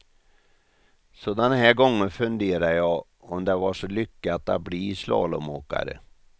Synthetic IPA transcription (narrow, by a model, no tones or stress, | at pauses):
sɔd̪ɛnhæːɾɡɔŋːənfɵnd̪eːɾajɑː | ɔmd̪ɛvaʂɔlʏkːat̪a̰t̪̚bliːslɑ̰ːlɔmoːka̰ɾə̰